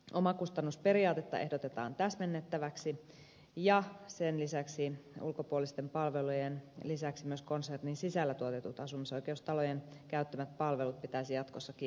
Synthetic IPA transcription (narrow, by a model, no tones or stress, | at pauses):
omɑkust̪ɑnːuspe̞ɾiɑːt̪et̪ːɑ̰ʔe̞hdot̪et̪ɑ̰ːnt̪æsmenːet̪ːæʋæksi | jɑsenlisæksiṵlkopuolist̪empɑlʋelujenlisæksimyøsko̞nserninsisælːæt̪uot̪et̪ut̪ɑsumiso̞ike̞ust̪ɑlojenkæyt̪ːæmæt̪̚pɑlʋe̞lut̪̚pit̪æisijɑt̪kosːɑki